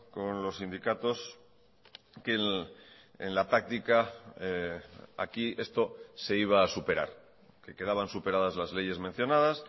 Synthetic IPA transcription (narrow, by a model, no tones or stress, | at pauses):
ko̞nlo̞sind̪ikat̪o̞s | ke̞n | ḛnlapɾak̚t̪ikaea̰kie̞st̪o̞se̞iβ̞aːsupe̞ɾa̰ɾ | ke̞ke̞ð̞aβ̞ansupe̞ɾað̞azlazle̞ʝe̞zmẽ̞n̟θjo̞nað̞as